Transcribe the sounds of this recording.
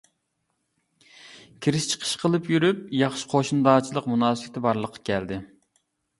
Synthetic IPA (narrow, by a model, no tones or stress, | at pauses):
kʲʰiɾɪʃt͡ʃʰə̥qʰə̥ʃqʰəlˠɨpjyɾyp̚jɑχʃi̥qʰoʃund̪ɑːt͡ʃʰilˠəqmunɑːsɨɪt̪ʰɪbɑɾlˠəqʰːɑ̥kʲʰɛld̪ɪ